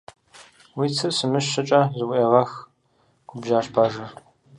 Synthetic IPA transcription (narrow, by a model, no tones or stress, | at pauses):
wiːt͡sʰɨsɨmɨʃɐt͡ʃʼɐzɨwʷʔeːʁɐx | ɡ̥ʰʷʊbʒaːʃpʰaːʒɐr